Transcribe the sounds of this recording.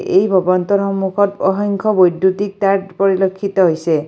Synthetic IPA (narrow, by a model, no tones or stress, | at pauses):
ʔejbʱɔbɔnt̪ɔɾɦɔmːukʰɔt̪ɔɦɔŋkʰɔbojd̪ːut̪ik̚t̪aɾpɔɹilokʰːit̪ɔɦojse